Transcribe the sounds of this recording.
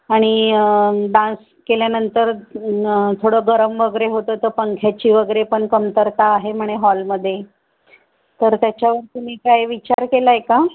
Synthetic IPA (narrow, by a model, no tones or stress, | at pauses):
aɽ̃i | ɖãns | keljanənt̪əɾ | t̪ʰoɽəɡəɾəmʋəɡəɾeɦot̪ət̪əɾpəŋkʰjat͡ɕiːʋəɡəɾepəɳkəmt̪əɾt̪aːɦem̤əɽ̃eɦɔlməd̪ʱːje | t̪əɾt̪jat͡ɕjaʋəɾt̪um̤iːkajʋit͡ɕaɾkelaeka